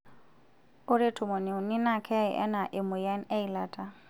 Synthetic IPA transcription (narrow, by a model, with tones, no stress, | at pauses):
ʊ˦ɾe˦tʰʊ˨mɔ˨ne˨ʊ˨nɪ˦na˦˨kʰɛ˦ɪ̰˨ʔɛ̰˦na˨ʔɪ˨mʊ˨ja˦nɛ˦i˨la˨tʼa˦